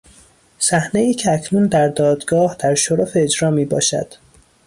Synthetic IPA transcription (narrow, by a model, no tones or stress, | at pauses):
sæhne̞iːcʰeæcʰnuːnd̪æɾd̪ɒːd̪ɡɒːhd̪̥æɾʃoɾofeed͡ʒɾɒːmiːbɒ̰ːʃæ̰d̪̥